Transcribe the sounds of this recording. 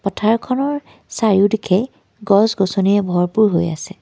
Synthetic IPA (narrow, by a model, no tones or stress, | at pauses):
pɔtʰaɹkʰɔnɔɹ | saɹiudikʰɛ | ɡɔsɡɔsoniɛbʱɔɹpuɹɦo̰ja̰sɛ